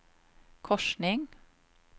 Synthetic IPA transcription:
kʰɔʃɳɪŋ

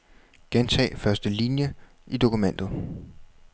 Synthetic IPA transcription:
ɡ̥ent͡sʰɛ̰ːfɶɐsd̥əlinjə | id̥o̝kʰumen̰d̥ð̩ˠ

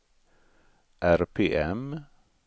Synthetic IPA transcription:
ʔæɾpʰeːʔɛm

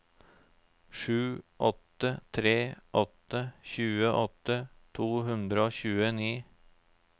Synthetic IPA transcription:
ʂʉːʔɔt̪ət̪ʰɾeːʔɔt̪əçʉːəʔɔt̪ət̪ʰuːɦʉnd̪ɾəoːçʉːəniː

